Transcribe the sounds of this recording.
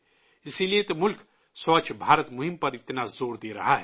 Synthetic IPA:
isilijet̪ɐmʊlkʰ | sɔt͡ʃʰbʱaːɾət̪muɦimpɐɾit̪nazoːɾd̪iɾɐ̰ɦaɦɛ

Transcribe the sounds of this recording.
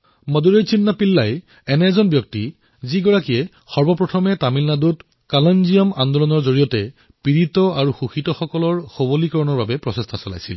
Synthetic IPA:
mɔduɹejsinːapilːaj | ɛnɛzɔnbjɔk̚ti | ziɡɔɹakiɛ | xɔɹbɔpɹɔtʰɔmɛtamilnadut | kalɔnzijɔmandɔlɔnɔɹzoɹijɔtɛ | piɹitɔaɹuxuxitɔxɔkɔlɔɹxobolikɔɹɔnɔɹbabɛpɹɔsestʰasɔla̰jsḭl

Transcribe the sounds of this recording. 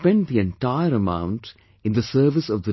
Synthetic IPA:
pɛ̃nɖd̪iɛ̃nʈaɪəɾəmã̰ʊ̃nʈ | ɪ̃nd̪əsəːʋɪsɔʋd̪ə

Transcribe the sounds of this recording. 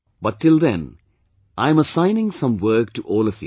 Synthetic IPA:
bʌʈːɪld̪ɛ̰̃n | ʔãɪ̃məsãɪnɪ̃ŋsʌ̃mʋəːk̚ʈuʔɔːlʌfjṵ

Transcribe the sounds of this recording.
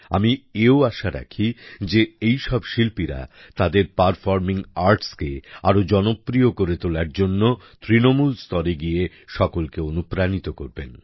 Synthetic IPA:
a̰mieoaʃaɾa̰kʰid͡ʑeejʃɔbʃilpiɾa̰ | t̪ad̪eɾpaɾfɔɾmiŋaɾʈskea̰ɾod͡ʑɔnopɾiokoɾet̪olaɾd͡ʑonːo | t̪ɾinomulst̪ɔɾeɡije | ʃɔkolkeonupɾanit̪okoɾbḛn

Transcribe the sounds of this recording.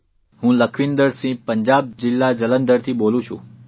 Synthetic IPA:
ɦũləkʰʋind̪əɾsĩpəɲd͡ʒab̚d͡ʒɪlːad͡ʒələnd̪əɾt̪ʰibolũt͡ʃʰṵ̃

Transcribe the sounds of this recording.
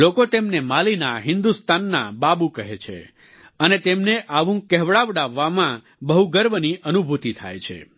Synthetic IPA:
lokot̪emnemalinaɦɪnd̪ust̪anːa̰babũkəɦet͡ʃʰḛ | ənet̪emneʔaʋũkɛɦʋɭaʋɖaʋːamã | bəɦuɡəɾʋniʔənubʱut̪it̪ʰa̰jt͡ʃʰḛ

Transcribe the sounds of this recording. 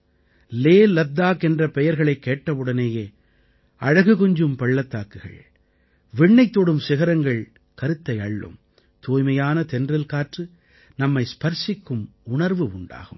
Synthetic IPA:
leːlɐd̪ːaːkɛndrɐpɛjɐɾɣɐɭɐɪkːeːʈːɐʋɯɽɐneːjeː | ɐɻɐɣɯɣɔɲd͡ʒɯmpɐɭːɐt̪ːaːkːɯɣɐ̰ɭ | ʋɪɳːɐɪt̪ːoːɽɯmsɪɣɐɾɐŋɡɐɭ | kɐɾɯt̪ːɐɪɐɭːɯ̰m | t̪uːjmɐjaːnɐt̪ɛndrɪlkaːʈrɯ | nɐmːɐɪspɐɾsɪkːɯmʊɳɐɾʋɯʊɳɖa̰ːɣɯ̰m

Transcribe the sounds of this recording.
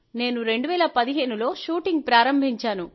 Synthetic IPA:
ne̞ːnuɾe̞ɳɖuʋɛːlɐpɐd̪iɦeːnulo̞ːʃuːʈiŋɡ̚pɾaːɾɐmbʱiɲt͡ʃaːnu

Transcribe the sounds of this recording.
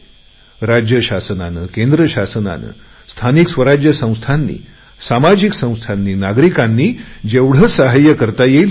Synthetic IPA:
ɾad͡ʑjəɕasəna̰nəkẽnd̪ɾəɕasəna̰nə̰ | st̪ʰaniksʋəɾad͡ʑjəsə̃w̃st̪ʰanːḭː | samad͡ʑiksə̃w̃st̪ʰanːiːnaɡɾikanːiːd͡ʑeʋɽ̤əsaɦajəkəɾt̪aje

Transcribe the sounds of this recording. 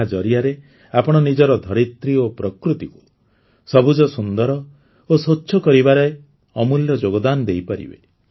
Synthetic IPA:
ad͡ʒɔɾiaɾe | apɔɽ̃ɔnid͡ʒɔɾɔd̪ʱɔɾit̪ɾiopɾɔkɾut̪iku̥ | sɔbud͡ʒɔsund̪ɔɾɔ | osotːʃʰɔkɔɾibaɾɔe | ɔmuljɔd͡ʒoɡɔd̪anɔd̪ejpaɾḭbḛ

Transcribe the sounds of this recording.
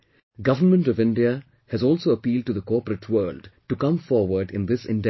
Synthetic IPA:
ɡʌʋənmə̃nʈɔvɪ̃nɖiə | hɨzɔːlsoːəpiːlɖ̚ʈuðəkɔːpəɾəʈʰwəːlɖʈukʌ̃mfɔːɾʋəɾɖɪ̰̃nd̪ɪsɪ̰̃nɖɛ

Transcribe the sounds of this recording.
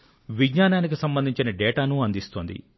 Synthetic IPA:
ʋiɡɲaːnaːnik̬isɐmbɐnd̪ʱiɲt͡ʃinɐɖɛːʈaːnuɐnd̪ist̪oːnd̪ḭ

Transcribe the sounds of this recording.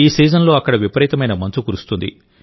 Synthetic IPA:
iːsiːd͡ʒɐnlo̞ːɐkːɐɽɐʋipɐɾiːt̪ɐmɐjnɐmɐnt͡ʃukuɾust̪und̪ḭ

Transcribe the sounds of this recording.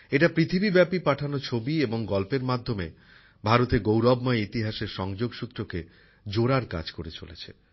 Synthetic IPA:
eʈapɾit̪ʰibibɛpipaʈʰanot͡ɕʰobieboŋɡɔlpeɾmad̪ʱːomḛ | bʱaɾot̪eɡowɾɔbmɔeit̪iɦaʃeɾʃɔŋd͡ʑoɡʃut̪ːɾoke | d͡ʑoɾaɾka̰d͡ʑkoɾet͡ɕo̰lḛt͡ɕʰḛ

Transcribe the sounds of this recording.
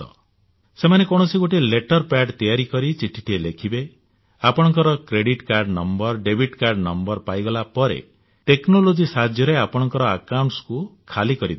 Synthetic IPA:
ɔ̰ | semanekɔɽ̃ɔsiɡoʈileʈɔɾpaɖt̪ijaɾikɔɾit͡ʃiʈʰi̥ʈʰielekʰibe | apɔɽ̃ɔŋkɔɾɔkɾeɽiʈkaɾɖnɔmbɔɾɖebiʈkaɾɖnɔmbɔɾpajɡɔlapɔɾḛ | ʈeknolod͡ʒisad̪ʱjɔɾeapɔɽ̃ɔŋkɔɾɔakawɳʈskukʰalikɔɾid̪

